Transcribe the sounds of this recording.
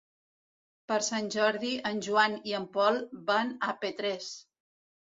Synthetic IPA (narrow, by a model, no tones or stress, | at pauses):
pəɾsanʲʒɔɾðiənʲʒuaniəmpɔlˠbanapet̪ɾɛs